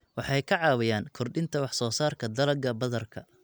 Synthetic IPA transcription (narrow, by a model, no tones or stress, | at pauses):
wɑħɑjkʰɐʕɑːwɐjaːŋkʰɔrɖɪnt̪ʰɐwɑħsɔːsaːrkʰɐd̪ɐlɐɡɐbɐðɐrkʰɐ